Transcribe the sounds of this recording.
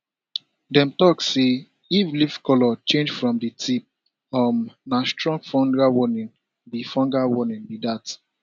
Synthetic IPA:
dɛ̃mtɔkːe | ivlifkɔlɔt͡ʃẽnd͡ʒfɹɔ̃mditʰip̚ | ɔmnastɹɔ̃ŋɡfɔ̃ndɹawɔnĩn | bifɔ̃ŋɡawɔnĩnbidat

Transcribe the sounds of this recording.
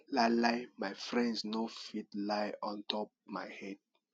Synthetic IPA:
laɪlaɪmaɪfɹɛ̃ndsnofitlajɔ̃ntʰɔp̚maɪhɛd̥̚

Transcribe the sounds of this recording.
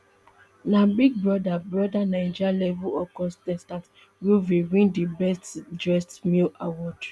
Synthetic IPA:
nabiɡ̚bɹɔdabɹɔdanãɪ̃d͡ʒalɛvuɔkɔ̃stɛ̃stãs | wuviɹĩndibɛstdɹɛstmilawɔt

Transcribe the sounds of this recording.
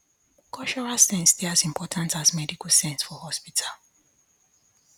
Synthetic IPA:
kʰɔʃɔɹasẽnstɛazĩmpʰɔtʰãntazmɛdikusɛ̃nsfɔhɔspitʰal

